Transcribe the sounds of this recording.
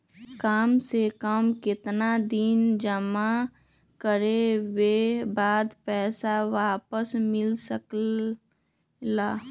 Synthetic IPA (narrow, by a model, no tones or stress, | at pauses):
kaːmsekəmkɪt̪nad̪ind͡ʒəma | kəɾewebaːd̪pɛːsawaːpəsmɪlsək | laː